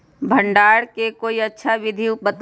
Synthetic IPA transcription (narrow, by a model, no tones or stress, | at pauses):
bʱə̃ɳɖaːɽkekoːiɐtːʃʰaʋɪd̪ʱibət̪